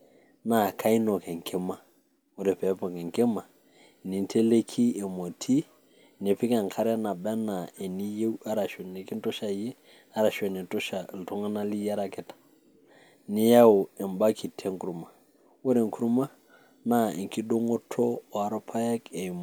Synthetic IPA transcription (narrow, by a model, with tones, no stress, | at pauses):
na˨ka˦i˦no˨kɛ˨ŋkʰe˦ma˨ | wo˦ɾe˨pɛ˨˦pɔ˨ke˨ŋke˦ma˨ | ni˨n˦tʰe˦le˦kʰi˦e˨mo˨tʰi˦˨ | ne˨pi˦ke˨ŋkʰa˦ɾɛ˦na˨bɛ˦na˨e˨ni˦je˦wa˦ɾa˨ʃu˨ne˨ki˦n˦to˦ʃa˨je˦ | a˦ɾa˨ʃu˦e˨ni˨to˦ʃa˨lto˦ŋa˦na˦li˦ja˦ɾa˦˨kɛ˨tḁ˨ | ni˦ja˦wo˨e˨mba˦ki˨tʰe˦ŋku˨ɾu˨ma˨ | wo˦ɾe˨ŋku˦ɾu˦ma˦ | na˦˨e˨ŋ˨ki˦do˦ŋo˦tʰo˦˨a˨ɾo˦pʰa˦ja˦ke˨m